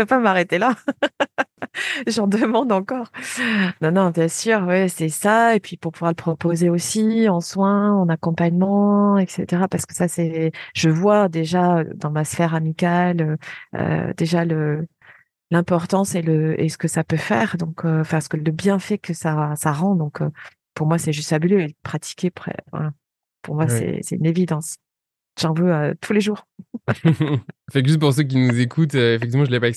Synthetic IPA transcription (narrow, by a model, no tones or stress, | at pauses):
vøpamaʁet̪ela | ʒɑ̃d̪əmɑ̃d̪ɑ̃kɔʁnɔ̃nɔ̃bjɛ̃syːʁwɛsɛsaepɥipuʁpuvwaʁləpχɔpozeosiɑ̃swɛ̃ɑ̃nakɔ̃paɲmɑ̃ɛksḛt̪eʁapaʁsə̥kə̥sasɛʒəvwad̪eʒad̪ɑ̃masfɛʁamikʲaløø̰d̪eʒalə | lɛ̃pɔʁt̪ɑ̃seləḛsə̥kəsapøfɛːʁd̪ɔ̃kʰøɑ̃fɛ̃sə̥kələbjɛ̃fɛkəsasaʁɑ̃d̪ɔ̃kø̰ | puʁmwasɛʒyst̪fabyløepχat̪ʰi̥kʲepχɛ̰fɛ̰̃ | puʁmwasɛ̰sɛt̪ynevid̪ɑ̃s | ʒ̥ɑ̃vøøt̪ʰuleʒuːʁ | fɛ̃kʒyst̪puʁs̬øk̬ʲinuzekʰut̪øefɛkt̪̬ivmɑ̃ʒəlepaɛks